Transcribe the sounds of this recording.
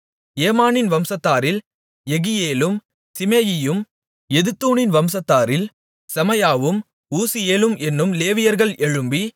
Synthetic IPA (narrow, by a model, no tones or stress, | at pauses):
eːmaːnɪnʋɐmsɐt̪ːaːɾɪl | ɛɣɪjeːlɯm | sɪmeːjɪjɯm | ɛðɯt̪ːuːnɪnʋɐmsɐt̪ːaːɾɪl | sɐmɐjaːʋɯm | uːsɪjeːlɯmʔɛnːɯmleːʋɪjɐɾɣɐɭɛɻɯmbi